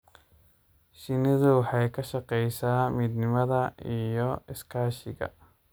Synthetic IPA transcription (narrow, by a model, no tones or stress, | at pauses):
ʃɪnɪðʊwħɑjkʰɐʃɐqɛjsaːmiːd̪nɪmɐðɐijɔɪskʰaːʃɪɣɐ̰